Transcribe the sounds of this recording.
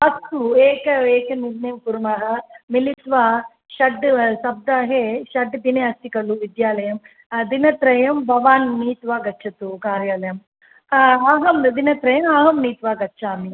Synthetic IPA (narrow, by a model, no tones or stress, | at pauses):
ɐsueːkɐeːkɐniɾneːmkuɾmaːɦɐmilit̪ʋaː | ʃɐɖsɐb̚d̪aːɦeʃɐɖd̪ineɐst̪ikɐluʋid̪jaːlɐjɐm | d̪inɐt̪ɾɐjɐmbʱɐʋaːnniːt̪ʋaːɡɐtːt͡ʃʰɐt̪ukaːɾjaːlɐjɐm | aːɦɐmd̪inɐt̪ɾɐjɐmaːɦɐmniːt̪ʋaːɡɐtːʃaːmi